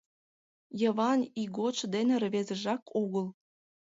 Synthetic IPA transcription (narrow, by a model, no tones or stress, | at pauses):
jəβɑniɣot͡ʃd̪enerβezə̆ʒɑkʰoɣəl